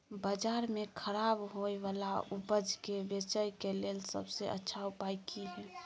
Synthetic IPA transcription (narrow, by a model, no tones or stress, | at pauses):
bəd͡ʒaːɾmekʰəɾabɦojʋalaubəd͡ʒkebet͡ʃəjkelelsə̰bseʔə̰tːʃʰaupajkʰiɦɛ̃